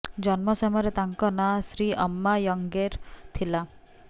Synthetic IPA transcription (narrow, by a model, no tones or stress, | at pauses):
d͡ʒɔnmɔsɔmɔjɔɾet̪aŋkɔnasɾiɔmːajɔŋɡeɾt̪ʰila